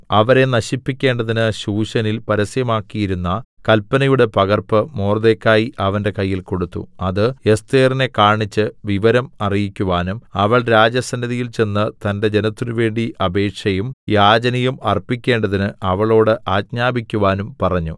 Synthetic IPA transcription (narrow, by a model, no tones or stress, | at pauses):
ɐʋɐɾe̞nɐɕipːikʲːe̞ːɳɖɐðinɨɕuːɕɐnilpɐɾɐsjɐmaːkːijiɾunːɐkɐlpːɐnɐjuɽe̞pɐɣɐrpɨmoːrðekːaːjiʔɐʋɐnde̞kɐjːilko̞ɽut̪ːṵɐðɨe̞st̪eːrine̞kaːɳit͡ɕːɨʋiʋɐɾɐmɐrijikʲːuʋaːnumɐʋɐɭɾaːd͡ʑjɐsɐndiðijilt͡ɕe̞nːɨt̪ɐnde̞d͡ʑe̞nɐt̪ːinuʋe̞ːɳɖiʔɐbe̞ːʈʂɐjumjaːd͡ʑɐnɐjumɐrpikʲːe̞ːɳɖɐðinɨʔɐʋɐɭo̞ːɽɨʔaːkɲaːbikʲːuʋaːnumpɐrɐɲːṵ